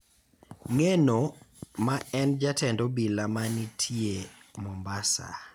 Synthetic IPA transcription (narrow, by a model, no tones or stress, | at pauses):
ŋenomaɛnd͡ʒatɛndɔbilamanitʰiemɔmbasa̰